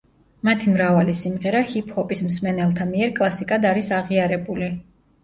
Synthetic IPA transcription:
mat̪ʰimɾavalisimʁɛɾahipʰhɔpʼismsmɛnɛlˠt̪ʰamiɛɾkʼlˠasikʼad̪aɾisaʁiaɾɛbuli

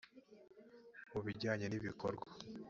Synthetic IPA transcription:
uβiɾɟaːɲe̞niβikoɾɡwa

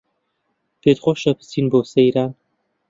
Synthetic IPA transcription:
pet̪χʷoʃɐpʰɨ̥sinboːsejɾaːn

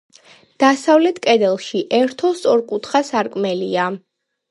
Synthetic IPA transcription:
d̪̥asavlɛt̪ʰkʼɛd̪ɛlˠʃiʔɛɾt̪ʰɔst̪ʼɔɾkʼut̪ʰχasaɾkʼmɛlia

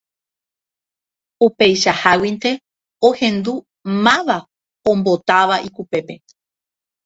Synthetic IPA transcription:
upe̞jʃahawint̪e̞ | ohẽ̞nd̪u | mãʋa | õmbo̞t̪aʋaʔikupe̞pe̞

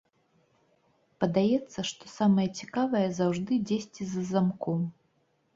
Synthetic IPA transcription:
pɐd̪ajɛt̪sːɐʂt̪ɔsamɐjɐt͡sʲikavɐjɐzawʐd̪ɨd͡zʲesʲt͡sʲizɐzamkɔm

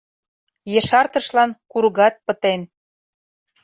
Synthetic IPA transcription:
jeʃɑrt̪əʃlɑnkuɾɣɑt̪̚pə̆t̪en

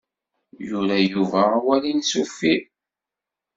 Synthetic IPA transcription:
juɾæjuvæwælinsufːi

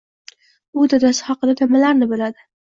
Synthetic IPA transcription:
ʊd̪ad̪ashɒqɨlad̪amalaɾnɪbɪlad̪ɪ

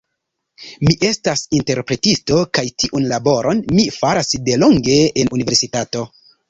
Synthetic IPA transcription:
miʔe̞stasinte̞ɾpɾe̞tisto̞kajtʰiʔunlabo̞ɾʔo̞nmifaɾasde̞loŋɡe̞enunive̞ɾsitato̞

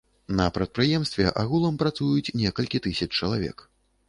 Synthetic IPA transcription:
nɐpɾɐt̪̚pɾɨjɛmst̪vʲɛʔaɣulˠɐmpɾat̪sujut͡sʲnʲɛkɐlʲkʲit̪ɨsʲɐt͡ʂt͡ʂɐlˠavʲɛ̰k

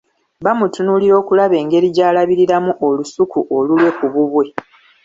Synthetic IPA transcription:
βamutunuliɾo̞ːkulaβe̞ːŋɡe̞ɾiɟaːlaβiɾiɾamuʔo̞lusukuʔo̞lulwe̞kuβuβwe̞

